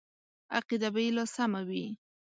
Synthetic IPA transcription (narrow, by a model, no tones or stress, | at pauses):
aqid̪abajelɑsamawi